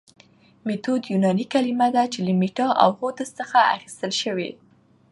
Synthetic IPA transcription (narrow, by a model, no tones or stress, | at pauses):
met̪od̪junɑnikalimad̪at͡ʃeləmiʈɑʔa̰whod̪əst͡səxaa̰xi̥st̪əlʃəwḛ